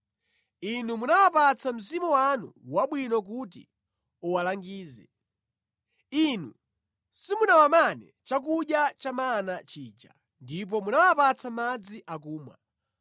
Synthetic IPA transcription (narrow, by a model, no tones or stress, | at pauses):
inumunawapat͡sʰam̩zimuwanṵwaɓwinɔk̬ut̬ḭ | uwalaŋɡiːzɛ̰ | inu | simunawamanɛ | t͡ʃak̬uɗjat͡ʃamanat͡ʃiːt͡ʃa̰ | ndip̬ɔmunawapat͡sʰamad͡ziʔakuːmwa̰